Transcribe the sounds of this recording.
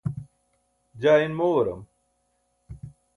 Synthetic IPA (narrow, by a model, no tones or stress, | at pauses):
d͡ʑaːinmowɐɾɐ̰m